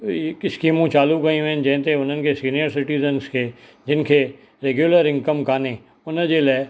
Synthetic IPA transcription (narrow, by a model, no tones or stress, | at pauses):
ekɪskiːmũt͡ʃaːlukɐĩʋẽɪn̆d͡ʑɐ̃ɦɪ̃t̪eʊn̤ənɪ̆kʰesiːnijəɾsɪʈiːzənskʰeː | d͡ʑɪnɪ̆kʰeː | ɾeːɡjuləɾɪ̃ŋkəmkaːne | ʊnd͡ʑeːlaːɪ